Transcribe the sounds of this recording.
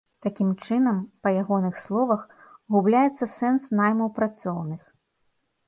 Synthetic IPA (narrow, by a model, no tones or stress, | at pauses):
t̪akʲimt͡ʂɨnɐmpɐjaɣɔnɨxslˠɔvɐx | ɣublʲajɛt̪sːɐsɛnsnajmɐwpɾat̪sɔwnɨx